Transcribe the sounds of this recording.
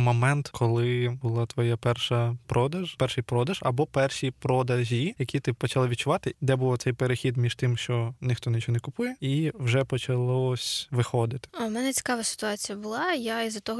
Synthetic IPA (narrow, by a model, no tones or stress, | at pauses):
mɔmɛnt̪kʰɔlˠɪbʊlˠɑt̪ʋɔjapɛrʃɐpɾɔd̪ɐʒpɛrʃɪjpɾɔd̪ɐʒɐ̰bɔpɛrʃipɾɔd̪ɐʒʲijɐkʲit̪ɪpɔt͡ʃɐlˠɪʋʲit̪̚t͡ʃʊʋɑt̪ɪd̪ɛbʊlɔt̪sɛjpeɾexʲid̪mʲiʃt̪ɪmʃt͡ʃɔnʲɪxt̪ɔnɪt͡ʃɔɔnɛkʊpujɛiwʒɛpɔt͡ʃɐlˠɔsʲʋɪxɔd̪ɪt̪ɪ̥ɐmɛnɛt͡sʲɪ̥kɑʋɐsɪ̥t̪ʊɑt͡sʲijɐbʊlˠɑjaizɐt̪ɔɦɔ